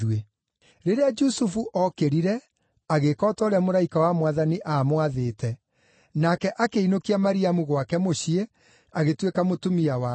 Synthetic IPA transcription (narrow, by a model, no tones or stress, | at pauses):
we | ɾeɾead͡ʒusufuʔɔkeɾiɾɛ | aɣekɔːtɔɾamoɾaikawamwaðaniʔaːmwaðeːtɛ | nakɛʔakeinokiamaɾiamuɣwakɛmoɕie | aɣetwekamotomiawa